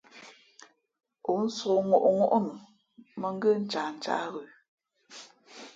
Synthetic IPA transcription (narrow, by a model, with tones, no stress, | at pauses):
o˨˦n̩˦so˨ŋo˨ʔŋo˦ʔn˨ | mə˨ŋ˦ɡə˦n̩˦t͡ʃa˨n˨t͡ʃa̰˨˦ɣə˨